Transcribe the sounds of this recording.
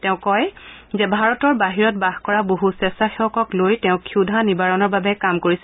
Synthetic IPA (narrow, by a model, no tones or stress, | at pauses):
tɛʊ̃kɔjzɛbʱaɹɔtɔɹbaɦiɹɔt̚baxkɔɹaboɦusɛstaxiɔkɔklojtɛʊ̃kʰudʱanibaɹɔnɔɹbabɛkamkoɹis